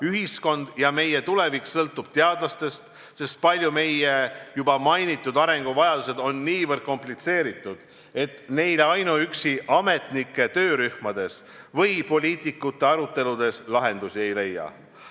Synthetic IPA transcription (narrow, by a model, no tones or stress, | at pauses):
yɦisko̞nd̪̥jɑme̞jet̪ule̞viksɤlt̪ːˑub̥̚t̪e̞ɑd̪̥lɑst̪e̞st̪ | se̞st̪̚pɑlʲjume̞jejubɑmɑjnit̪ːˑud̪ɑɾe̞ŋɡ̥uvɑjɑd̪̥use̞d̪̥o̞nːiːvərd̪̥̚ko̞mplit̪se̞ːɾit̪ːˑud̪̥ | e̞t̪ne̞jleɑjnuyksiʔɑme̞t̪nikːˑe̞t̪ø̞ːɾyhmɑd̪̥e̞s | vɤjpo̞lʲiːt̪ˑikːut̪ːe̞ɑɾut̪ːˑe̞lud̪̥e̞slɑɦe̞nd̪̥usie̞jle̞jːɑ̰